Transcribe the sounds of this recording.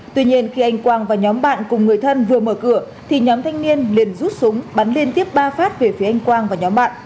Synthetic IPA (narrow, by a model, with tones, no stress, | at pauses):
t̪wi˧ɲi˧ənxi˧ʔa˧jŋ̟kwaː˧nvaː˨˩ɲɔ˨˦mɓa̰ː˧˨nkʊ˨˩ŋ͡mŋɨ˨˩əjt̪ʰə˧nvɨ˨˩əməː˧˩kɨ˧˩ə | t̪ʰi˨˩ɲɔ˨˦mt̪ʰa˧jŋ̟ni˧ənli˨˩ənzu˦˥t̚sʊ˨˦ŋ͡mɓa˨˦nli˧ənt̪i˦˥əp̚ɓaː˧faː˦˥t̚ve˨˩fi˨˦əʔa˧jŋ̟kwaː˧ŋvaː˨˩ɲɔ˨˦mɓa̰ː˧˨nʔ